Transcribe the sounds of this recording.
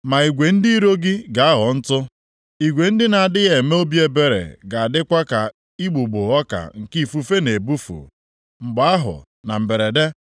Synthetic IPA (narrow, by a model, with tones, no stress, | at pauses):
ma˨i˨ɡʷe˨n̩˦di˦i˦ɾo˦ɡɪ˦ɡa˨a˦ɦɔ˨n̩˦tʊ˦ | i˨ɡʷe˨n̩˦dɪ˦na˨dɪ˦ɣe˨me˦o˦bje˦be˨ɾḛ˨ɡa˨a˨dɪ˦kʷa˦ka˨ | i˦ɡ͡bu˨ɡ͡bʊ˨ɔ˦ka̰˨ŋ̩˨ki˦˨fu˦fe˦ne˨bu˦fṵ˨ | ŋ͡m̩˨ɡ͡ba˨a˦ɦʊ̰˨ | na̰˨m̩˨be˨ɾe˨de˦